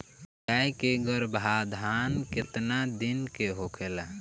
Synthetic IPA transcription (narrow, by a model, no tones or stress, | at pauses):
aikeɡəɾbʱad̪ʱankɪt̪nad̪inkeɦokʰela